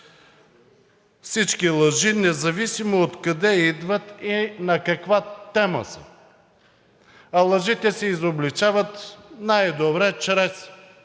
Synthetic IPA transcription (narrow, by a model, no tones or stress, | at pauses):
fsit͡ʃkilˠɐʒinɛzɐvisimoot̪kɐd̪ɛid̪vɐt̪inɐkɐkvat̪ɛmə̰sə̰ | ɐlˠɐʒit̪ɛsɛizoblit͡ʃavət̪najd̪obɾɛt͡ʃɾɛs